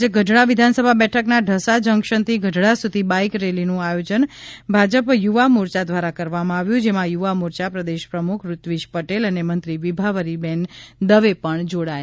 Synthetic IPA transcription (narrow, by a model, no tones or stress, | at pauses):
ɡʱəɖɽaʋid̪ʱansəbʱabɛʈʰəknaɖʱəsad͡ʒəŋkʃənt̪ʰiɡʱəɖɭasud̪ʱibaikɾelinũajod͡ʒənbʱad͡ʒəpjuʋamuɾt͡ʃad̪ʋaɾakəɾʋamãaʋjũd͡ʒemãjuʋamuɾt͡ʃapɾəd̪eʃpɾəmukʰɾut̪ʋiʃpəʈelənemənt̪ɾiʋibʱaʋəɾibɛnd̪əʋepəɳd͡ʒoɽa